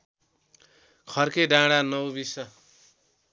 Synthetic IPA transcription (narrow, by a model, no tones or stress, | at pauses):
kʰʌrkeɖãɽanʌwbisʌ